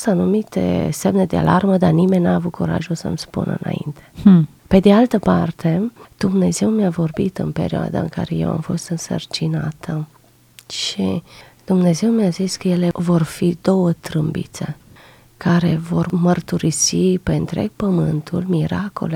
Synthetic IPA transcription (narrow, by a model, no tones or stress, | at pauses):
st̪anumit̪e̞̰semne̞d̪ea̰lʔarməd̪arnime̞nʲnaːvut̪̚kuɾa̰ʒulsə̰mspṵnɨ̰na̰ḭnt̪e̞̥ | pe̞d̪ealt̪əpart̪e̞d̪̥umne̞ze̞wmeavo̞rbit̪ɨnpe̞̰ɾioa̰d̪a̰ɨ̰ŋka̰ɾe̞je̞̰wa̰mfo̞st̪ɨnsə̰rt͡ʃina̰t̪ʰə | ʃḭ | d̪̥umne̞ze̞wmeaziskəje̞levo̞rfid̪o̞wət̪ɾɨmbḭt̪se̞̰ | kaɾe̞vo̞rmərt̪uɾisipeɨnt̪ɾe̞̰ɡ̚pəmɨnt̪ʰulmiɾako̰le